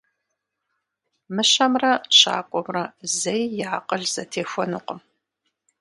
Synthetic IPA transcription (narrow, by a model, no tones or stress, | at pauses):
mɨɕɐmrɐɕa̰ːkʷʼɔmrɐzɐjjaːqʼəɮz̥ɐtʰeːxʷɔnuqʷəm